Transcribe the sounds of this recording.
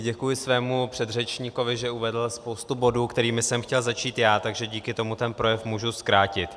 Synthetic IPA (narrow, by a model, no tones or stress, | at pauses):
ɟɛkujɪsvɛːmupr̥ɛd̪rɛt͡ʃɲiko̞vɪʒɛʔuvɛdl̩spo̞wst̪ubo̞duːkt̪ɛɾiːmɪsɛmxcɛlzat͡ʃiːt̪jaːt̪aɡʒɛɟiːkɪt̪o̞mut̪ɛnpɾo̞jɛfmuːʒuskɾaːcɪt̪